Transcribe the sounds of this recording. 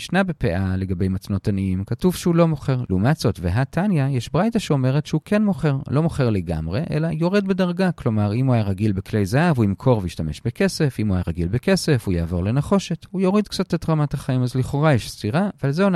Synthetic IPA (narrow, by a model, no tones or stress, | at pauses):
ʃnabepeʔale̞ɡabejmat͡sno̞taniimkatuvʃehulo̞mo̞χe̞ʁlumat͡sotveɦatʰanjajeʃbʁajtaʃeo̞me̞ʁ̞etʃehukʰenmo̞χe̞ʁlo̞mo̞χe̞ʁleɡa̰mʁe̞ʔḛlajo̞ʁedbedaʁɡaklo̞maʁimuajaʁaɡilbeklejzaavuimkʰo̞ʁveiʃtame̞ʃbeke̞sefimuajaʁaɡilbeke̞sefujaːvo̞̰ʁle̞naχo̞ʃe̞thujo̞ʁidkt͡satetʁamathaχaimazliχo̞ʁajeʃstiʁavealzeon